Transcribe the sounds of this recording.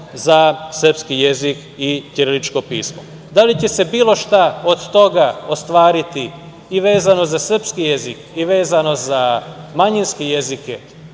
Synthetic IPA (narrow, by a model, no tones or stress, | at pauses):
zasər̩pskije̞zik | it̪jeɾelit͡ʃko̞pḭːsmo̰ | d̪alit͡ɕe̞se̞biːlˠo̞ʃt̪aod̪t̪o̞ɡaost̪ʋaːɾit̪i | iʋeːzano̞zasr̩pskije̞zikiʋe̞ːzano̞zamaɲinskejezike